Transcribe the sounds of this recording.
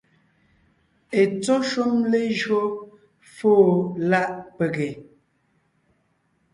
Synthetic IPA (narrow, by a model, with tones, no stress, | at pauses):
e˨t͡sɔ˦ʃu˦mle˦ʒɰo˦ | foː˦˨la˦˨ʔpe˨ɡe˨